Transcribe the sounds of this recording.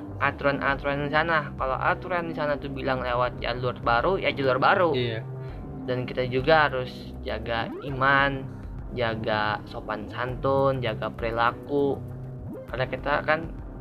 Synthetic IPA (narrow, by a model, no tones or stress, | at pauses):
ʔat̪uɾanʔa̰t̪uɾandisanakala̰ʔa̰t̪uɾandisanat̪ubilaŋlewat̪̚ja̰luarbaɾujad͡ʒaluarbaɾu | dankit̪ad͡ʒuɡaɦaɾʊs | d͡ʒaɡa | iman | d͡ʒaɡasopansant̪ɔnd͡ʒaɡapəɾilaku | kalakit̪akan